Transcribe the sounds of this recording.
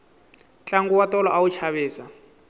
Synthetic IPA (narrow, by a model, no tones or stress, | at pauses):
t͡ɬʼaŋɡuwatɔlɔʔawut͡ʃʰaβɛːsa